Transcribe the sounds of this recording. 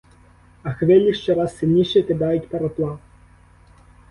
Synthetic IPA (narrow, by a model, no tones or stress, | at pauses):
ɐxvʲɛlʲːiʂt͡ʂɛɾasːʲɨlʲnʲiʂɛt̪ɛd̪ajutʲpɐɾɐp̪lˠa